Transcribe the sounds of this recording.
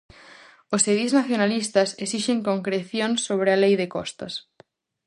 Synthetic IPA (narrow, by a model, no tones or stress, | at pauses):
oseðiznaθjonalist̪ɐsesiʃeŋkoŋkɾeθjoŋsːoβ̞ɾɪalejðɪkɔ̰st̪ɐ̰s